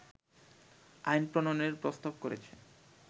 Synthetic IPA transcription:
a̰jnpɾononeɾpɾost̪ab̚koɾḛt͡ɕʰe

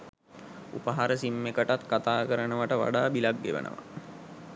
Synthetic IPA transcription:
ṵpəɦaɾəsimːekəʈat̪kat̪aːkəɾənəʋaʈəʋa̰ɖaːbilaɡːḛʋə̰nʔə̰ʋa̰

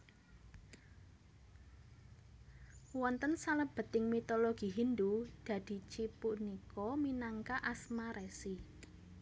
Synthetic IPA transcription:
wɔnt̪ənsaləb̥ə̤t̪ɪŋmit̪oloɡ̥i̤ɦind̪ud̪̥ä̤d̪̥i̤t͡ʃipuʔnikɔminaŋkaʔasmaɾɛsi

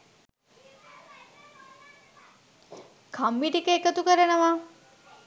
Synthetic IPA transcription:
kʰambiʈikəekət̪ukəɾənəʋa

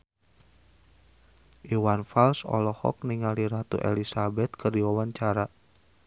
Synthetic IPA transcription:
ʔiwanfalsɔ̰lɔhɔ̰k̚niŋaliɾat̪ṵʔḛlisabɛt̪̚kʰərdiwawaɲt͡ʃaɾa

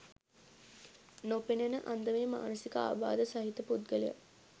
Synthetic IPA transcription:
nopenenəʔand̪əʋeːma̰ːnəsikəa̰ːba̰ːd̪əsɐɦit̪əpud̪̚ɡəlijə̰

